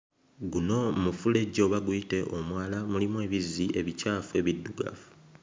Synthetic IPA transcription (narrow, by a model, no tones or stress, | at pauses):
ɡuno̞mufule̞ɟo̞ːβaɡuite̞ʔo̞mwaːlamulimue̞ːβizie̞βicaːfue̞βidːuɡa̰fu̥